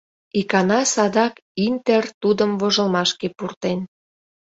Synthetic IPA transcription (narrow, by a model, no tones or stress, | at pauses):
ikɑnɑsɑd̪ɑkint̪ert̪ud̪əmvoʒəlmɑʃkepurt̪en